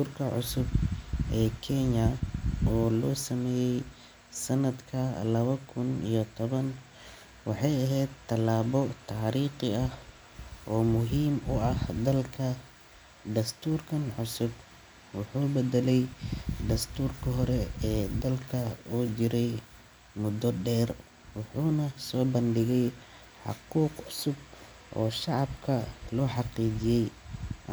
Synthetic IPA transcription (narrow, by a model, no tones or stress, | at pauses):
t̪uːrkʰɐʕʊ̰sʊbʔɛːkʰɛnɐɔːlɔːsɐmɛːjɛj | sɐnɐd̪kʰɐlɐβɐkʰʊnḭjɔt̪ʰɔβɐn | wɑħɑjɐɦɛjd̪t̪ʰːɐlaːbɔt̪ʰɑʕɾiːqɪɐh | ʔɔːmʊɦiːmʊɐhd̪ɐlkʰɐ | d̪ɐst̪ʰuːrkʰɐnʕʊsʊb | wɑħuːbɛd̪ɛlɛjd̪ɐst̪ʰuːrkʰɐɦɔɾɛɛːd̪ɐlkʰɐuːd͡ʒɪɾɛj | mʊd̪ɔɖɛːr | wɑħuːnɐsɔːbɐnɖɪɣɛj | ħɑ̰quːqʕʊsʊb̚ | ʔɔ̰ːʃɑʕɑbkʰɐlɔːħɑqiːd͡ʒɪjɛj